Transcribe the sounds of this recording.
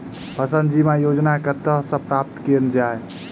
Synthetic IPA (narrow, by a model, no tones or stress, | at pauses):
pʰəsənd̪d͡ʒimajod͡ʒnakət̪əsə̃pɾap̚t̪keɾnd͡ʒae